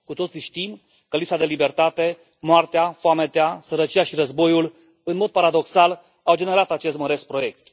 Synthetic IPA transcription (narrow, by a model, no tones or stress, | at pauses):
kut̪o̞t̪siʃt̪im | kəlisad̪e̞libe̞rt̪at̪e̞ | moart̪eafoame̞t̪easəɾət͡ʃijaʃiɾəzbo̞jul | ɨnmo̞d̪̚paɾad̪o̞ksal | awd͡ʒe̞ne̞ɾat̪at͡ʃe̞st̪məɾe̞spɾo̞je̞k̚t̪